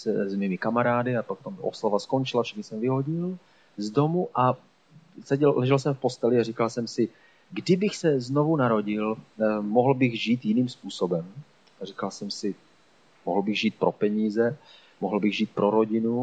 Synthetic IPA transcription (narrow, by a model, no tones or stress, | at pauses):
sɛzmiːmɪkamaɾaːdɪapot̪omʔo̰slavasko̞nt͡ʃɪlafʃɛxɲɪsɛmvɪɦo̞ɟɪl | zdo̞muʔa | sɛɟɛllɛʒɛlsɛmfpo̞st̪ɛlɪarikalsɛmsɪ | ɡdɪbɪxsɛzno̞vunaɾo̞ɟɪlmoɦl̩bɪɣʒiːt̪jɪniːmspuːsobɛm | arikalsɛmsɪ | moɦl̩bɪɣʒiːt̪̚pɾʔo̞pɛɲiːzɛ | moɦl̩bɪɣʒiːt̪̚pɾo̞ɾo̞ɟɪnu